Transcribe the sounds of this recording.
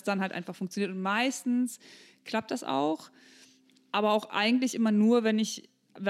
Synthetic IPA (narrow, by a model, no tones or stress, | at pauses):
sd̥anɦaltʔa̰ɪnfaχfʊŋkt͡sjoniːtʊntmaɪstn̩s | kʰl̥ap̚t̚d̥asʔa̰ʊx | ʔaːbɐaʊxʔa̰ɪɡŋ̩tlɪçʔɪmɐnuːɐvɛnɪç | v